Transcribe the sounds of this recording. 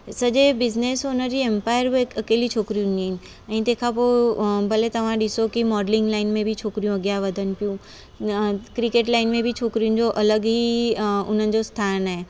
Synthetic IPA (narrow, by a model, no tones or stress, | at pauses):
sɐʄebɪzneːsʊnəd͡ʑiempaːɪəɾbekɐkeːlit͡ɕʰoːkɾijũniɦɪnɪ | ɛ̃ːt̪eːkʰapobɐlet̪ɐʋ̤ãɗɪsokimɔːɖlɪ̃ŋɡlaːɪnmẽbʱit͡ɕʰoːkɾijũɐɡjaʋɐd̪ʱənɪ̆pijũ | kɾɪkeːʈlaːɪnmẽbʱit͡ɕʰoːkɾijũn̆d͡ʑoʔɐləɡɦiʊ̰n̤ənɪ̆d͡ʑost̪ʰaːnaɦe